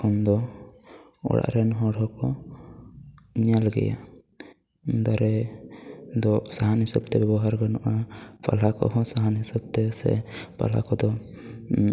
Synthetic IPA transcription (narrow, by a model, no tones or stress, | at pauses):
kʰɔnd̪ɔ | ɔ̰ɽa̰ʔɾɛnɦɔɽɔkɔ | ɲalɡɛ̰ja̰ | d̪aɾɛ | d̪ɔsaɦanhisabt̪ɛbɛbɔɦaɾɡɔnɔʔapʰa̰lakɔ̰ɦɔ̃saɦanɦisab̚t̪ɛsɛ̰pa̰la̰kɔd̪ɔ